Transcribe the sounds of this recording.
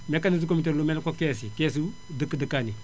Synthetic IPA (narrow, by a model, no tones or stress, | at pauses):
mekanizukomit̬eɾlumenkokesikes̬i | dəkːədəkani